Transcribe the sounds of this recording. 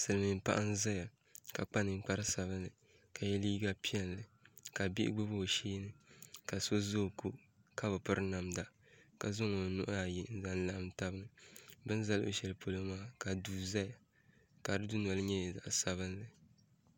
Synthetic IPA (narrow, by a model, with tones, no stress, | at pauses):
sɨ˨lɨ˨mɨ˨m˦pa̰˦ʔa˦n˦za˦ja˨ | ka˨k͡pa˦nɨ˨ŋ˦k͡pa˦ɾɨ˦sa˨βɨ˦nlɨ˨ | ka˨jɛ˦liː˦ɡa˦pi˦ɛ˦llɨ˨ka˨bi˦ɪ̰˦ɡ͡bɨ˦bo˦˨ʃiː˦nɨ˦ka˨so˦zo˦˨ku˦ | ka˦bɨ˨pɨ˦ɾɨ˦na˨mda˨ | ka˨zʊ˦ŋo˨nʊ̰˦ʔa˨ji˦n̩˦za˦n˦la˦ʔa˦mta˦bɨ˦nɨ˨bɨ˦n˦za˦lɨ˦ʔo̰˨ʃɛ˨lɨ˨pʰo˨lo˦maː˦ka˨duː˨za˦ja˨ | ka˨dɨ˦du˦n˨ɔ˨lɲɛ˦jɛ˨za̰˨ʔsa˦βɨ˦nlɨ˨